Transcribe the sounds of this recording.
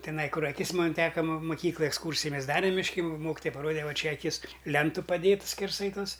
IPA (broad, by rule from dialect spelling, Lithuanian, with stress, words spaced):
tʲɪˈnɐɪ ˈkʊr ɐˈkʲɪs ˈmoːn ˈtʲæːkɐ mʊˈkʲiːklˠɐj ɛksˈkuːrʲsʲɪjɪ ˈmʲɛs ˈdɑːrʲɛm mʲɪʃʲˈkʲɪ ˈmoːkʲɪtoːjɛ pɐˈroːdʲɛ ˈʋɐ ˈt͡ʃʲɛ ɐˈkʲɪs ˈlʲɛntʊ pɐˈdʲeːtʊ sʲkʲɛrˈsɐɪ ˈtoːs